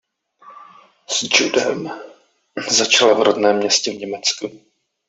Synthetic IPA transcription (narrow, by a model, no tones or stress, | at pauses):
sd͡ʒudɛm | zat͡ʃalavɾodnɛːmːɲɛscɛvɲɛmɛt͡sku